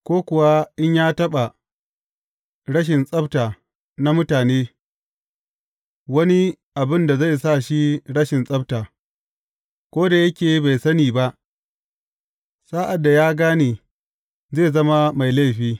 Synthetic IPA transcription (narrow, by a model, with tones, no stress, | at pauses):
kʷoː˦kʷʊ˨wa˦ʔɪ˦ɲjaː˦tɐ˦ɓa˨ | ɽɐ˦ʃ̬ɪ˨nsʼɐ˦btaː˨ | na˦mʊ˦taː˨neː˦ | wɐ˦ni˦ | ʔa˨bɪ˦nda˨za˦˨jsa˦˨ʃi˦ɽɐ˦ʃɪ˨nsʼɐ˦btaː˨ | kʷoː˦da˨jɐ˦kʲeː˨˦ba˨jsɐ˦niː˨ba˦ʔ | saː˦ʔa˨dːa˨jaː˦ɡaː˦niː˨ | zeː˦˨zɐ˦ma˦ma˨jla˦˨ɸiː˦